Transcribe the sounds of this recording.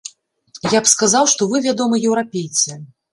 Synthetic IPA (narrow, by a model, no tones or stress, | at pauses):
japskazawʂt̪ɔvɨvʲad̪ɔmɨjɛwɾapʲejt̪sɛ